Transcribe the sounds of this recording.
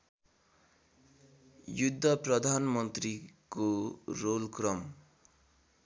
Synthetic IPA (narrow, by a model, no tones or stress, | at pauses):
jud̪ʱːʌprʌd̪ʱanmʌnt̪rikorolkrʌm